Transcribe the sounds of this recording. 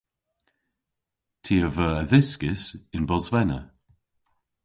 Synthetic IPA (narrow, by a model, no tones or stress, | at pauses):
tʰiːəvəːəðɪskɪsɪnbɔzvɛnə̰